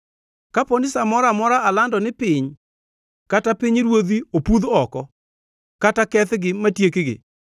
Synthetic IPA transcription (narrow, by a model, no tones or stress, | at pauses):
kaponɪsamɔɾamɔɾaalandɔnɪpɪɲ | katapɪɲɾwod̪iopuðɔkɔ | katakɛθɡɪmatjekeɡɪ̰